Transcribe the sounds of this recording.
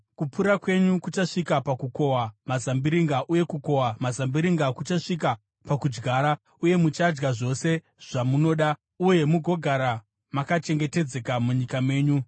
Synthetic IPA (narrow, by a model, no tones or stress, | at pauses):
kupuɾakwe̞ɲukut͡ʃaʂikapakuko̞wamazambiɾiŋɡaʔuje̞kuko̞wamazambiɾiŋɡakut͡ʃaʂik̬a | pakud͡ʒɡaːɾa | uje̞mut͡ʃad͡ʒɡaʐo̞se̞ | ʐ̥amuno̞ːɗa | uje̞muɡʱo̞ɡʱaɾa | makat͡ʃe̞ŋɡe̞te̞d͡ze̞kamuɲikame̞ːɲu